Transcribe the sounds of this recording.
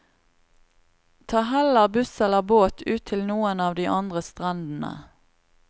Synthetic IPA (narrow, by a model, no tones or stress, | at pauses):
t̪ʰɑːɦɛləʁbʉsɛləʁboːt̪ʰʉːt̪ʰɪlnuːənɑːʋd̪iːʔɑnd̪ʁəst̪ʁɑnd̪n̩ə̰